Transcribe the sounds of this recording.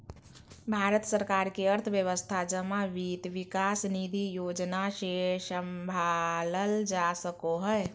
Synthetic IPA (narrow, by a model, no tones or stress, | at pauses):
bʱaɾət̪səɾkaɾkeəɾt̪ʰəbjəʋəst̪ʰad͡ʒəmaʋit̪ʋikasnid̪ʱijod͡ʒnasesəmbʱaləld͡ʒasəkoɦə